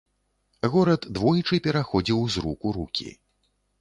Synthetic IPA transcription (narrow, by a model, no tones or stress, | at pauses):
ɣɔɾɐt̪d̪vɔjt͡ʂɨpʲɛɾaxɔd͡zʲiwzɾukuɾukʲḭ